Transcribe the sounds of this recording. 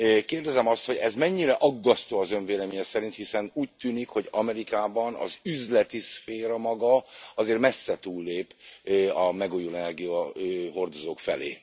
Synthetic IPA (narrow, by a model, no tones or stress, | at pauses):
keːrd̪ɛzɛmɒst̪ho̞ɟɛzmɛɲːiɾɛʔɒɡːɒst̪oːɒzø̞ɱveːlɛmiɲɛsɛɾint̪hisɛnuːc̚t̪yːnikho̞ɟɒmɛɾikaːbɒnɒ̰zyzlɛt̪isfeːɾɒmɒɡɒɒzeːrmɛsːɛt̪uːlːeːpɒmɛɡujulɛnɛrɡijɒøɦo̞rd̪ozoːkfɛ̰lḛː